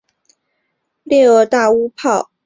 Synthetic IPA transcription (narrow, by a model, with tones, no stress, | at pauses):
ljɛ˥˧ə˥˧˩t̪a˥˩u˥pʰɑ˥˩ʊ